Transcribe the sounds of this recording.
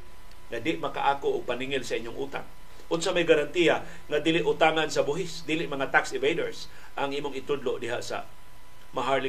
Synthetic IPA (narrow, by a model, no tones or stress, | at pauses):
ŋad̪ɪʔmɐka̰ʔaːkoʔːɡ̚paniŋɪlsɐʔɪɲjoŋʔuːt̪a̰ŋ | ʊnsamajɡaɾant̪ija | ŋad̪iːlɪʔʊt̪aŋansɐbʊɦɪsd̪iːlɪʔmɐŋat̪aksɪvejdoɹs | ʔaŋʔiːmʊŋɪt̪ʊd̪loʔd̪ɪɦa̰ʔsa̰ | maɦaɹlɪ